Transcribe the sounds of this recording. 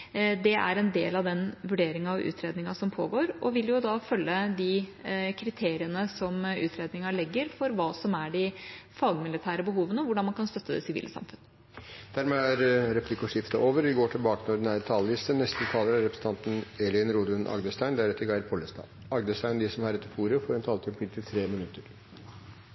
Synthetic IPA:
d̪ɛʔæ̰ɾɛnd̪eːlɑʋd̪ɛnʋʉɖeːɾɪŋɑʋʉ̰ːt̪ʰɾeːd̪nɪŋɑsɔmpʰo̰ːɡoːɾʔɔʋɪljʊd̪ɑfœlːəd̪ɪkʰɾɪt̪ʰeːɾɪənəsɔmʉ̰ːt̪ʰɾeːd̪nɪŋɑɭɛɡːəɾfɔɾʋɑːsɔmæɖɪfɑːɡmɪlɪt̪ʰæːɾəbəɦuːʋənəʋʊɖɑnmɑnkʰɑnst̪œt̪ːəd̪ɛ̰sɪʋḭːlʔə̰sɑ̰mfʉnə | d̪̥æɾmɛæɾɾɛpʰlɪkːɔʂɪft̪əʔoːʋəɾʋɪɡoːʈʰɪlbɑːkənɔɖɪnæːɾət̪ʰɑːləlɪst̪ənɛst̪ət̪ʰɑːləɾæɾɛpʰɾə̥sn̩t̪ʰɑnt̪n̩ɛlɪənɾuːd̪ʉnʔɑ̰ɡd̪əst̪æɪnd̪æɾɛt̪ːəɾɡɑɪɾpʰɔləst̪ɑ̰ː | ɑɡd̪əst̪æɪnd̪isɔmhɑɾɛt̪ːəɾfuːɾəfoːɾɛnt̪ʰɑːlət̪ʰɪpʰiːlt̪ʰɪlt̪ʰɾeːmɪnʉt̪ːəɾ

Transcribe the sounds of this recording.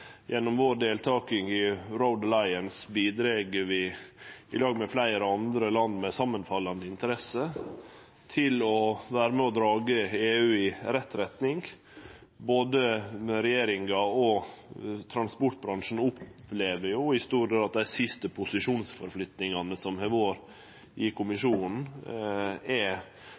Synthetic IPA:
jʔɛnːɔmʋoːɖeːlt̪ʰɑːkɪŋɪɾɔʊd̪əlɑɪənsbiːd̪ɾeːɡəɾʋɪɪ̰lɑːɡmɛflæɪɾəɑnd̪ɾəlɑnd̪mɛsɑmːənfɑlːɑnd̪əɪnt̪əɾɛsə | t̪ʰɪlɔʋæːɾəmɛɔd̪ɾɑːɡəeːʉːɪɾɛt̪ːɾɛt̪nɪŋ | boːd̪əɾɛjeːɾɪŋɑɔ | t̪ʰɾɑnspʊʈbɾɑnʂn̩ʊpleːʋəɾjʊhɪst̪uːɾɡet̪ɑt̪̚d̪æɪsɪst̪əpʰʊsɪʂuːnsfɔɾflʏt̪nɪŋɑnəsɔmhɛʋoːɾ | ʔɪkʰʊmɪʂuːnn̩ | ɛ

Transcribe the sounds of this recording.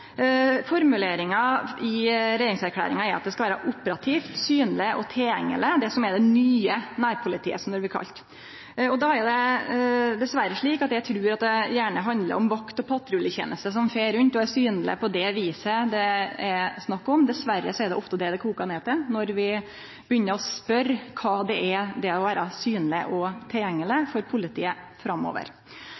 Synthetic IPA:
fɔɾmʉleːɾɪŋɑɪɾɛɾɪŋsæɾkʰlæ̰ːɾɪŋɑɛɾɑt̪̚d̪ɛskɑʋæːɾɑʔʊpːəɾɑt̪ʰiːft̪syːnlɪʔɔt̪ʰɛljɛŋːə̰ləd̪ɛsɔmɛd̪ɛnyːənæːɾpʰʊlɪt̪ʰḭːəsɔmd̪ɔɾbɪɾkʰɑ̰lt̪ | ɔd̪ɑæɾjd̪ɛ | d̪ɛsʋæɾəʂɭiːkɑt̪jæɪt̪ʰɾʉːɾɑt̪̚d̪ɛjæːɳəɦɑnd̪lə̰ɾɔmʋɑkt̪ɔpʰɑt̪ːɾʉlːəçḛːnʔəst̪əs̬ɔmfeːɾʉnt̪ɔæɾsyːnlɪ̰pʰɔd̪ɛʋiːsəd̪ɛɛɾsnɑkːɔmd̪ɛsʋæɾəsɔɛɾd̪ɛ̰ʔɔft̪əd̪ɛd̪ɛkʰuːkɑneːt̪ənɔɾʋɪ | bəjʏnːəɾɔspœɾkʰɑːd̪ɛʔɛd̪ɛɔʋæːɾɑsyːnlɪʔɔt̪ʰɪljɛŋːəlɪfɔɾpʰʊlɪt̪ʰḭːəfɾɑmːo̰ːʋə̰ɾ

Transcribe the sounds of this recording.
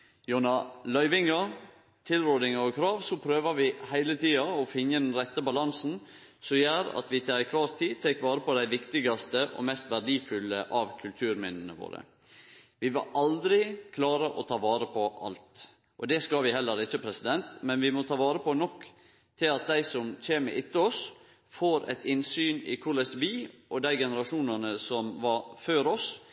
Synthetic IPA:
juːnɑlœʏʋɪŋəɾ | t̪ʰɪlɾoːd̪ɪŋəɔkʰɾɑːʋsɔpʰɾøːʋɑʋɪhæɪlət̪ʰiːɑɔfɪnːəd̪ɛnɾɛt̪ːəbɑlɑnsn̩ | sɔjæːɾɑ̰t̪ʋɪt̪ʰɛæɪkʰʋɑːɾt̪ʰiːt̪ʰɛkʋɑːɾəpʰɔd̪æɪʋɪkt̪ɪɡɑst̪əʔɔ̰mɛst̪ʋæɾɖiːfʉlːəʔɑʋkʰʉlt̪ʰʉːɾmɪnːənəʋo̰ːɾə̰ | ʋɪʋɑ̰ɾʔɑld̪ɾɪkʰlɑːɾəʔɔt̪ʰɑːʋɑːɾəpʰɔʔɑ̰lt̪ | ʔɔd̪ɛskɑlʋɪhɛlːəɾɪçːəpʰɾɛsɪd̪ɛnt̪mɛnʋɪmɔt̪ʰɑːʋɑːɾəpʰɔnɔkː | t̪ʰɪlɑt̪̚d̪æɪsɔmc͡çeːmə̰ʔɪt̪ːəɔs | foːɾɛ̰t̪ʰɪnsyːnɪ̰kʰʊɾɭɛsʋɪʔɔd̪æɪɡɛnəɾɑʂuːnɑnəsɔmʋɑføːɾɔs

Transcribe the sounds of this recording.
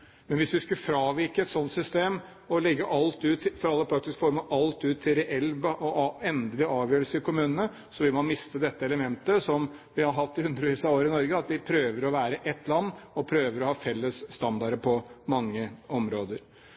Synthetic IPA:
mɛnʋɪsʋɪskʉfɾɑːʋɪɾkəɛt̪sɔnt̪sʏst̪eːm | ɔlɛɡːəʔɑlt̪ʉːt̪fɔɾɑlːəpʰɾɑk̚t̪ɪskfɔɾməʔɑlt̪ʉːt̪ʰːɪɾɛʔɛlːbəʔɔɛnd̪əlɪɑːʋjøːɾlsəɪkʰʊmʉːnənə | sɔʋɪlmɑnmɪst̪əd̪ɛt̪ːəɛləmɛnt̪əsɔmʋɪhɑɾɦɑt̪ːɪʉnd̪əɾʋiːsɑoːɾəɪnɔɾɡəɑt̪ʋɪpʰɾøːʋəɾɔʋæːɾəʔɛt̪ʰːlɑnːɔpʰɾøːʋəɾɔhɑːfɛlːəsːt̪ɑnd̪ɑɾəpʰɔmɑŋːəɔmɾoːd̪əɾ

